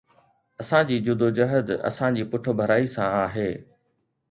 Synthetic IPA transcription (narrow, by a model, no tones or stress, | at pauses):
ɐsãd͡ʑiːd͡ʑʊd̪od͡ʑɐɦəd̪ɐ̰sãd͡ʑiːpʊʈʰʊ̆bʱɐɾaːisãaːɦeː